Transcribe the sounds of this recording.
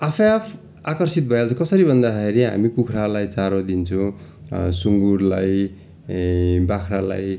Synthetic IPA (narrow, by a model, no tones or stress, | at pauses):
apʰjapʰ | akʌrsit̪̚bʱʌjalt͡sʰʌkʌsʌɾibʱʌnd̪akʰeɾiɦa̰mikukʰɾalajt͡saɾod̪int͡sʰʌ̃ | suŋɡurlaj | bakʰɾala̰j